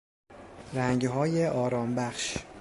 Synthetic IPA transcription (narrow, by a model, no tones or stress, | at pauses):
ɾæŋɟɦɒːjeʔɒːɾɒːmbæxʃ